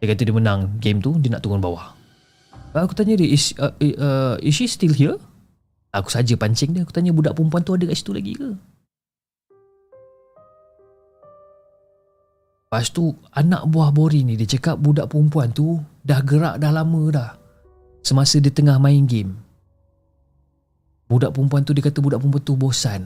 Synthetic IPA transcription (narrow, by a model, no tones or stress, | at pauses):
jakat̪ədimənaŋɡemt̪udənaʔt̪uŋɔnba̰wa̰ʔ | akut̪aɲədəisəisist̪ilɦiə | aku̥sad͡ʒəpaɲt͡ʃɛŋdiəaku̥t̪aɲəbudaʔpəɾumpuant̪uadəkaʔsi̥t̪ula̰ɡḭə | past̪u | anã̰ʔ̚buahboɾinidit͡ʃəkap̚budaʔpəɾumpuant̪udahɡəɾa̰ʔdahlamə̃dah | səmasədit̪əŋahmaiŋɡɪm | budaʔpɾumpuant̪udikat̪əbudaʔpump̬want̪ubosan